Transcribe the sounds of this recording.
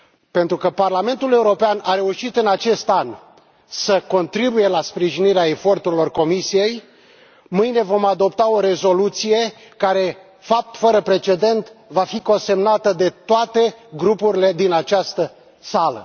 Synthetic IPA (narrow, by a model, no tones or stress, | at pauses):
pe̞nt̪ɾukəparlame̞nt̪ule̞uɾo̞peanaɾe̞uʃit̪ɨnat͡ʃe̞st̪an | səko̞nt̪ɾibuje̞laspɾiʒiniɾeae̞fo̞rt̪uɾilo̞rko̞misije̞j | mɨjnevo̞mad̪o̞pt̪ao̞ɾe̞zo̞lut̪sije̞ | kaɾe̞ | fap̚t̪fəɾəpɾe̞t͡ʃe̞d̪e̞nt̪vafiko̞nse̞mnat̪əd̪e̞t̪oat̪e̞ɡɾupuɾile̞d̪inat͡ʃast̪ə | salə̰